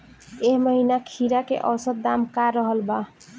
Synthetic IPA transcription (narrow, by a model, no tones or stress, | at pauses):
eɦməɦinakʰiɾakḛʔʌwsət̪̚d̪amkaɾʌɦʌlba